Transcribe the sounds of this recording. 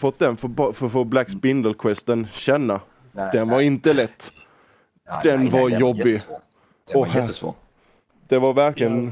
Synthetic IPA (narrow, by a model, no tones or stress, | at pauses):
fɔt̪̚ːd̪ɛnfbfœɾfoːblæksbɪnd̪əlkʰwɛst̪ənɕɛnːa | d̪̥ɛnvaɾɪnt̪əlɛt̪ː | d̪̥ɛnvaɾjɔbːɪ | ɔh | d̪̥ɛvaɾvæɾklɪɡən